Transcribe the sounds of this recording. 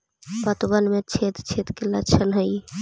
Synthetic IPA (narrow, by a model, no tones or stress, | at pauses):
pət̪bənmet͡ʃʰet̪t͡ʃʰet̪kelət͡ʃʰənɦəj